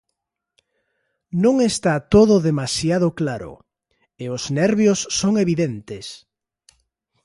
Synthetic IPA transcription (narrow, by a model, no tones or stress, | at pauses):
nõŋest̪at̪oðʊðemasjaðʊklaɾʊ̰ | eʊsnɛɾβjosːoŋeβiðent̪ɪs